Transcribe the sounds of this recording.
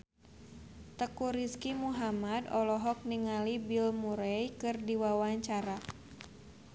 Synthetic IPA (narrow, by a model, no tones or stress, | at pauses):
t̪əkuɾiskimuɦamadɔlɔɦɔk̚niŋalibilmuɾɛjkɨrdiwawaɲt͡ʃaɾa